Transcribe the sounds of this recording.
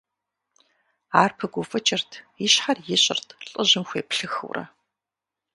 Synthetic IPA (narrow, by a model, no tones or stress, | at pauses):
aːrpʰɐɡʷʊfɨt͡ʃʰʼɪrtʰ | ɪɕħarjɪɕʼɪ̰rtʰɬʼəʑɪmxʷeːpɬɨxɨ̰wrɐ̰